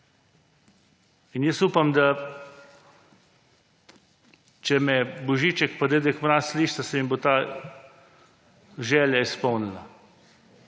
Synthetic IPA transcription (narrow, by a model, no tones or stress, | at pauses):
injəsupamd̪a | t͡ʃɛmɛbɔʒiːt͡ʃɛkpad̪ed̪ɛkmɾasliːʃasɛmibot̪a | ʒɛːljaispɔwnila